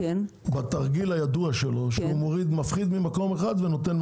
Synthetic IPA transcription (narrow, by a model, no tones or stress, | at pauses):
bat̪aʁɡilajad̪uaʃelo̞ʃeumo̞ʁid̪mafχid̪mimako̞meχad̪ve̞no̞t̪e̞n